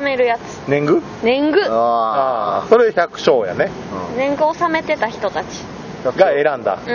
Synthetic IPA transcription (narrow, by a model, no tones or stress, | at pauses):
ame̞ɾɯ̟jat͡sɨ̥nẽ̞ŋɡɯ̟ | nẽ̞ŋɡɯ̟aːso̞ɾeçakɯ̟̥ɕo̞ːja̰ne̞ | nẽ̞ŋɡɯ̟osame̞t̪e̞t̪açʲi̥t̪o̞t̪at͡ɕi̥ | ɡae̞ɾãnd̪a̰